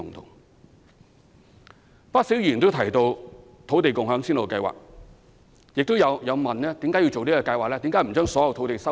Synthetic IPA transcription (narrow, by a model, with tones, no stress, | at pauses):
ʊ˨ŋt̪ʰʊ̰˨˩ŋ | pa˥k̚si˨˥wjiː˨˩nt̪o˥wt̪ʰɐ˨˩jt̪o˧w | t̪ʰo˨˥wt̪e˨jkʊ˨ŋɦœː˨˥ŋsiː˥nlo˨˩kɐ˧jwa̰ː˨k̚ | jɪ˨k̚t̪o˥wjɐ˨˧wjɐ˨˧wmɐ˨˩nnɛː˥t̪i˨˥mka˨˥ji˧wt͡so˨wniː˥kɔː˧kɐ˧jwaː˨k̚lɛː˥t̪iː˨˥mkaː˨˥jm̩˨˩t͡ʃœː˥ŋsɔː˨˥jɐ˨wtʰo˨˥wt̪e˨jsɐ˥